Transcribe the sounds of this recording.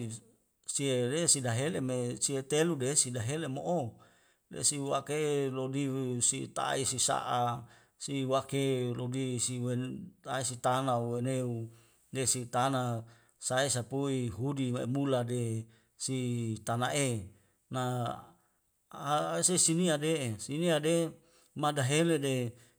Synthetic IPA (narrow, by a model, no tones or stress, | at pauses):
siedesidaɦelemesiet̪eludesidaɦelemoʔo | dḛsiwakelodisit̪a̰isisa̰ʔa | siwakelodisiwet̪aisit̪anauweneu | desit̪ana | saesapuiɦudiaḛmulade | sit̪anaʔe | na | sesiniadesiniade | madaɦelede